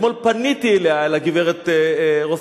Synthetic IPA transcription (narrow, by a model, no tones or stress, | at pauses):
molpanit̪ilealaɡiveʁet̪eʁof